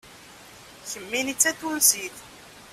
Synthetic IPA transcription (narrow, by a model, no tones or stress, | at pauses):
çəmːinit͡sːæθulsiθ